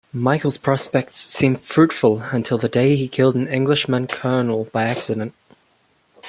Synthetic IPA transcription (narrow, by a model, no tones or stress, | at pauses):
maɪkl̩ˠz̥pʰɹ̥ɑspɛk̚tsːĩːɱ̥fɹʉˑtfəlˠə̃ntʰɪlˠðədeɪikʰɪlˠdn̩ɪ̃ŋɡlɪʃmə̃nkʰɜːnl̩ˠb̥aɪæksɨɾə̃nt̚